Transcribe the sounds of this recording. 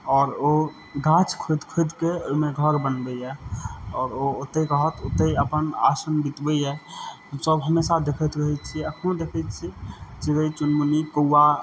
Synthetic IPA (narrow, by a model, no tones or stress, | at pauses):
ɔːɾo | ɡʱãt͡ʃkʰod̪kʰod̪keojmeɡʱəɾbənbəiɛɔːɾoot̪ːekəɦət̪ot̪eəpəna̰sənbit̪bəɛhəmsəbɦəmesad̪ekʰət̪ɾəɦɛt͡ʃʰiəkʰũd̪ekʰət͡ʃʰit͡ʃiɾəit͡ʃunmunikoːa